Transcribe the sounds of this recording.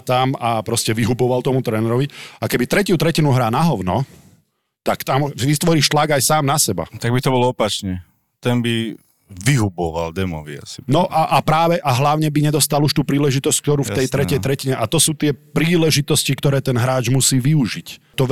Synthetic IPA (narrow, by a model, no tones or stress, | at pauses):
t̪amapɾɔscɛʋiɦubɔʋalt̪ɔmut̪ɾɛːnɛɾɔʋiakɛbit̪ɾɛcut̪ɾɛcinuɦɾaːnaɦɔʊnɔ̰ | t̪akt̪amʋit̪ʋɔɾiːʃt̪laɡajsaːmnasɛba̰t̪aɡbit̪ɔbɔlɔɔpat͡ʃɲɛ | t̪ɛnbi | ʋiɦubɔʋa̰ld̪ɛmɔ̰ʋḭa̰sinɔʔaʔapɾaːʋɛʔaɦlaʊɲɛbiɲɛd̪ɔst̪aluʃt̪uːpɾiːlɛʒit̪ɔsc̚kt̪ɔɾuːft̪ɛjt̪ɾɛcɛjt̪ɾɛciɲɛʔat̪ɔsuːt̪ɪɛpɾiːlɛʒit̪ɔscikt̪ɔɾɛːt̪ɛnɦɾaːd͡ʒmusiːʋiuʒic | t̪ɔ